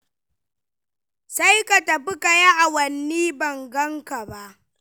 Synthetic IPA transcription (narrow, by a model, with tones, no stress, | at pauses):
sa˦jka˨ta˨ɸɪ˦ka˨ja˦ʔa˨wɐ˨nːiː˦bɐ˨ŋɡɐ˦ŋka˨ba˦ʔ